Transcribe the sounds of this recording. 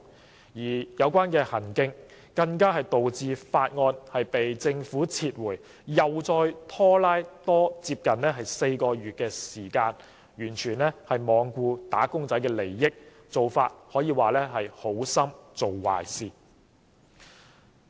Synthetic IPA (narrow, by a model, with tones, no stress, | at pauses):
jiː˨˩jɐ˨˧wkʷaː˥nkɛː˧hɐ˨˩nkɪ˧˥ŋ | kɐ˧ŋkaː˥hɐ˨jt̪o˨wt͡siː˨˧faː˧t̚ŋɔː˧nhɐ˨jpe˨jt͡sɪ˧ŋfuː˨˥t͡sʰiː˧t̚wuː˨˩j | jɐ˨wt͡sɔː˧jt̪ʰɔː˥laː˥jt̪ɔː˥t͡siː˧p̚kɐ˨nɛː˥ɦɐ˨jse˧jkɔː˧jyː˨t̚kɛː˧siː˨˩kaː˧n | jyː˨˩nt͡ʃʰyː˨˩nlɛː˥hɐ˨jmɔː˨˧ŋkʷuː˧t̪aː˨˥kʊ˥ŋt͡sɐ˨˥jkɛː˧le˨˩jːɪ˥k̚ | t͡so˨wfaː˧t̚hɔː˨˥jiː˧waː˨lɛː˥ɦɐ˨jho˨˥wsɐ˥mt͡so˨wwa̰ː˨jsiː˨˩